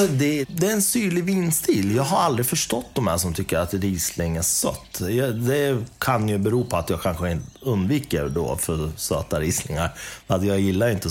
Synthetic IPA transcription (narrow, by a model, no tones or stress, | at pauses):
ɔd̪ɛd̪ɛæɾɛnsyːɭɪvɪnːst̪iːljɑːɡɦaɾald̪ɾɪfœʂʈɔt̪̚ːd̪ɔmhæ̰ːʂɔmt̪ʰʏkːəɾat̪ɾiːslɪŋæsœ̰t̪ːjɑd̪ɛkʰanjɵbɛɾuːpʰɔat̪jɑːɡkʰanɧəɪnt̪əɵnd̪viːkəɾɖo̰ːfœɾsøːt̪aɾiːsnɪ̰ŋa̰ɾat̪jɑːɡjɪlːaɾjɪnt̪ə